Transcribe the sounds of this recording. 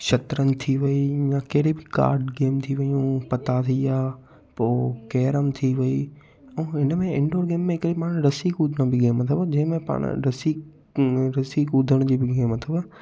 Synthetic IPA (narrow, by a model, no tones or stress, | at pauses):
ʃɐt̪ɾənɪ̆t̪ʰiʋɐijakɐɦɾebɪka̰ːɾɖɡeːmt̪ʰiʋɐjũpɐt̪at̪ʰiaː | poːkɛːɾəmt̪ʰiʋɐi | ɛ̃ːɪnəmẽɪ̃ɳɖoːɾɡeːmːẽɦɪkɾipaːɽ̃ɾɐsikʊd̪ʱəɽ̃õbɪɡeːmɐt̪ʰəbd͡ʑɐ̃ɦɪ̃mẽpa̰ːɽ̰̃ɾɐsi | ɾɐsikʊd̪ʱəɽ̃d͡ʑiːbɪɡeːmɐt̪ʰəbə